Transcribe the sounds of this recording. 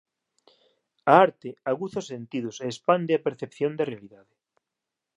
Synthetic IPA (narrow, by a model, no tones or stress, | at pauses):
aaɾt̪eaɣuθaosːent̪ið̞ʊseːspand̪eapeɾθepθjond̪erealiðaðe